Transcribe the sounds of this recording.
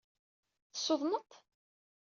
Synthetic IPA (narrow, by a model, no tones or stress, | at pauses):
θə̥sːʊðˤnət̪